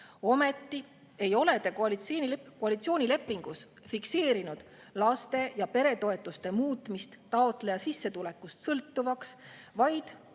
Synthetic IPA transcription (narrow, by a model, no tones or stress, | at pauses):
o̞me̞t̪ːi | e̞jo̞le̞t̪e̞koɑlit̪snkoɑlit̪sioːnʲile̞pːˑiŋɡ̥us | fikse̞ːɾinud̪̥ | lɑst̪e̞jɑpe̞ɾe̞t̪o̞e̞t̪ːˑust̪e̞muːt̪ːˑmist̪ːɑot̪le̞jɑsisːe̞t̪ule̞kːˑust̪sɤlt̪ːuvɑks | vɑjd̪̥